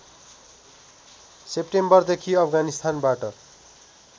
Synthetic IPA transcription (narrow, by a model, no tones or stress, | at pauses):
sepʈembʌrd̪ekʰiʌpʰɡanist̪ʰanbaʈʌ